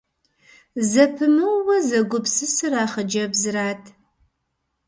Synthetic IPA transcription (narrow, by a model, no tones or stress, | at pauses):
zɐpʰɨmɨwwɐzɐɡʷʊpsɨsɨraːχɐd͡ʒɐbzɨɾaːtʰ